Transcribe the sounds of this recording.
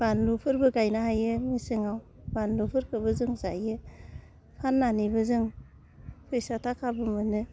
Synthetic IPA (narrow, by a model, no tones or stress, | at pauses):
b̥anlupʰɯɾbɯɡajnaɦajɯmisɯŋaw | banlupʰɯɾkʰɯbɯzɯŋzajɯ | kʰanːanibɯzɯŋ | pʰɯjsatʰakʰabɯmɯnɯ